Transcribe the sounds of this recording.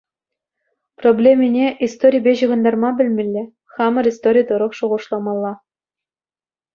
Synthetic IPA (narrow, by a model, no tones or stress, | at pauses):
problʲemʲinʲeʔist̪oɾʲijbʲeʑɯʁɤ̆nd̪ɑrmɑbʲɘ̆lʲmʲɘ̆lʲːɘ̆ | χɑmɤ̆rist̪oɾʲijt̪ɤ̆ɾɤ̆χʂuʁɤ̆ʂlˠɑmɑlˠːɑ